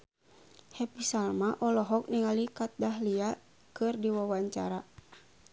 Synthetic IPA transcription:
hɛpisalmaʔɔlɔɦɔk̚niŋalikat̪̚daɦlia | kɨrdiwawaɲt͡ʃa̰ɾa

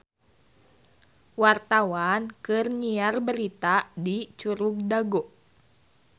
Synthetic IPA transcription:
wart̪awankɨrɲiarbəɾit̪adit͡ʃuɾuk̚daɡoʔ

